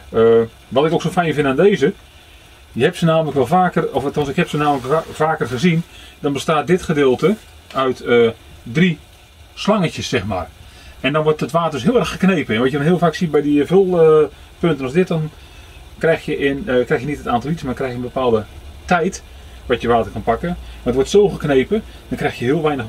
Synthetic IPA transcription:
ə | ʋɔtɪkoːksofɛjnvɪntaːndeːzə | jəhɛpsənaːmələkʋɛlˠfaːkərɔftɔnsɪkhɛpsənaːmələkfaːkərxəzind̥ɔnbəstaːt̚dɪtxədɪːlˠtə | œɥtə | dri | slɑŋəcəsːɛxma̰ːr | ɛndɔnʋɔrtətʋaːtərdʏsɦɪəlˠɛrəxəknejpəɛnʋɔtjədɔnɦiəlˠvaːksibɛjdivølˠə | pøntənɔsdɪt̚dɔn | krɛjxjəʔɪnkrɛjxjənitətaːntɔlˠitsmaːkrɛjxjənbəpaːlˠdətɛjt | ʋatjəʋaːtərkɔnpakənətʋɔrtsoːxəkneːpə | d̥ɔnkrɛjxjəɦɪəlˠʋɛjnəx

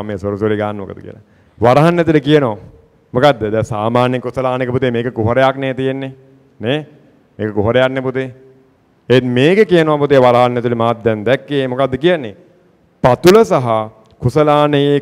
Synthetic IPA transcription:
mːeːsoɾusliɡaːnːəmo̰kəd̪əkḭjə̰la | ʋaɾɐɦanːɛt̪̬ulikijənoʋa | mokad̪ːəd̪ɛsaːmaːnjekːusəlaːnikəput̪emeːkəkuɦoɾejakneːt̪ijenːe | ne | meːkəkuɦoɾejakneput̪e | enmeːkəkijənoʋaput̪eʋaɾɐɦanːɛt̪ulimaːt̪̚ːɛnd̪ɛkːemokad̪ːəkijənːe | pat̪uləsaɦa | kusəlaːnəje

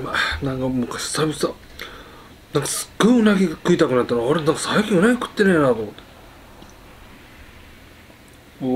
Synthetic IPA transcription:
manãŋkamɯ̟kːaɕsabʲisa | nãŋkḁsɨ̥ɡ̥oionaɡʲiakɯ̟it̪akɯnat̪ːanoɾenãŋkḁsaikʲĩɯ̟naɡʲikɯ̥t̪ːenenaːt̪omot̪ːe

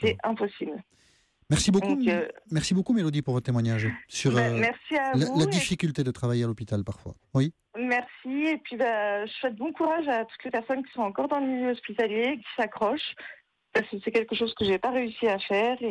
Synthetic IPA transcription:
sɛɛ̃pɔsibl | mɛʁsibokkũkømɛʁsibokumelod̪ipuʁvɔt̪t̪emwaɲaʒsyʁmɛʁsialavulad̪ifikʲylt̪ed̪ət̪χavajealopit̪alpaʁfwa̰ | wi | mɛʁsiepɥibaʒəswɛt̪̚bɔ̃kuʁaʒat̪u̥t̪lepɛʁsɔnkʲi̥sɔ̃ɑ̃kɔʁd̪ɑ̃ləmiljøɔspit̪aljekʲi̥sakχɔʃ | paʁskəsɛkʲɛlkəʃozkəʒepaʁeysiafɛːʁe

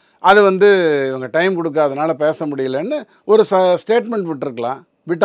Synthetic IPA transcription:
ʔɐðɯʋɐnd̪ɯɪʋɐŋɡɐʈɐɪmkɔɽɯk̬ːaɐðɐnaːlɐpeːsɐmʊɽɪjɐlenːɯ | ɔɾɯsɐsʈeːʈmɛɳʈʋɪʈːɪɾɯkːɐlã̰ː | ʋɪʈː

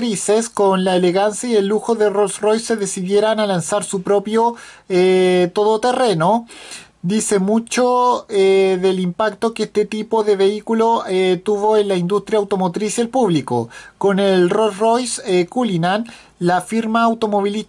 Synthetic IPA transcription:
ɾiseskonlaeleɣansjaielːuxo̞ðerosrojsːe̞ðe̞siðje̞ɾanalansaɾsupɾopjo | t̪o̞ðot̪ere̞no | d̪ise̞mut͡ʃoeðelimpakt̪o̞keest̪et̪ipoðeβeikulot̪uβoenlaind̪ust̪ɾjawt̪o̞mot̪ɾisjaelpuβliko̰ko̞nelrosrojskulinan | lafiɾmaːwt̪o̞mo̞βili

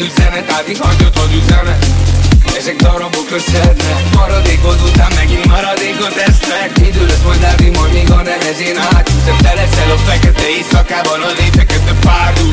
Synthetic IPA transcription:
yzɛnɛt̪aːt̪ihɒɲot̪ozyzɛnɛt̪ɛzɛɡd̪ɒɾɒbokøsɛt̪nɛmɒɾɒd̪eːkot̪ot̪aːmmɛɡinmɒɾɒd̪eːkot̪ɛst̪mɛk̪id̪ølsold̪aːvimɔɾeːɡɒnɛvɛzeːnɦaːt̪uzɛnt̪ɛlɛsɛlokfɛkɛt̪ɛeːsɒkaːvɒlolleːfɛkɛt̪ːɛpaːrd̪u

